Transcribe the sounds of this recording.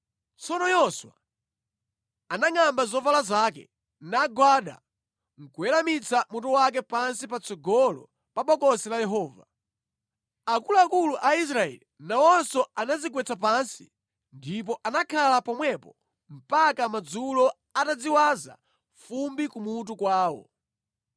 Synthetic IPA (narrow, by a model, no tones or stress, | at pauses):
t͡sɔnɔjɔswa̰ | anaŋambazɔvalazakɛ̰ | naɡwaɗa̰ | ŋ̩kuɛlamit͡samutɔwak̬ɛpansipat͡sɔɡɔlɔ̰ | paɓɔkɔsɛlajɛɦɔːva | akulaakuluʔais̬ɾaɛ̰linawɔnsɔanazikwɛt͡sap̬ansḭ | ndip̬ɔʔanakʰalapɔmwɛpɔ | m̩pakamad͡zulɔ | atad͡ziwaza̰ | fumbikumut̬ukwaːwɔ̰